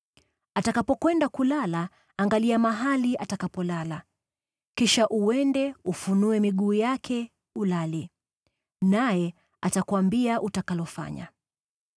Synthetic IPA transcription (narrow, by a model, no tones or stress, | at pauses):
atakapɔkwɛndakulalaː | ŋɡaliamaɦaliʔatakapɔlala | kiʃaʔuwɛndɛufunuɛmiɠuːjakʰɛ | ulali | najɛ | atakwambiaʔutakalɔfa̰ɲa̰